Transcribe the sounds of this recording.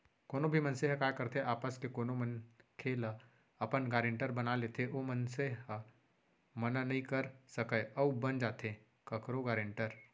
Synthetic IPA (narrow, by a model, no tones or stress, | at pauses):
koːnobʱimɐ̃nseɦkaːkɐɾt̪eʔaːpəskekoːnomənkʰeːl | ɐpənɡaːɾẽɳʈəɾbɐnaleːt̪ʰeʔomənseɦ | mɐnanɐɦĩkəɾsɐkəɐubɐnd͡ʒaːt̪ʰe | kɐkɾoɡaːɾẽɳʈəɾ